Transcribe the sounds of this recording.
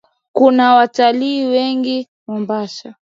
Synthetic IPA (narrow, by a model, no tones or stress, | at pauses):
kunawataliːwɛŋɡi | mɔmbaʃa